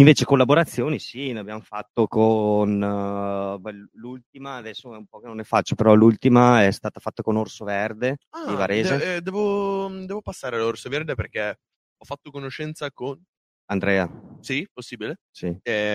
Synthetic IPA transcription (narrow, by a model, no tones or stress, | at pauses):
iɱveːt͡ʃekolːaboɾat̪sːjoːnisineabjamofat̪ːokon | bɛllult̪̚imaːd̪ɛsːoɛumpɔkenonɛfat͡ʃːopeɾɔlult̪imaɛst̪aːt̪afat̪ːakonorsoverd̪ead̪ivaɾeːzed̪ɛːvod̪ɛːvopasːaːɾealorsoverd̪eperk̟ɛ | ɔfːat̪ːokonoʃɛnt̪sakon | and̪ɾɛːasiposːiːbile | siɛ